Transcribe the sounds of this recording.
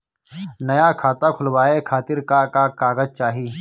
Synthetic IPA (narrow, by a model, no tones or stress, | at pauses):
nɐjakʰaːt̪akʰʊlʋaːekʰaːt̪ɪɾkakakaːɣəd͡ʒt͡ʃaːɦiː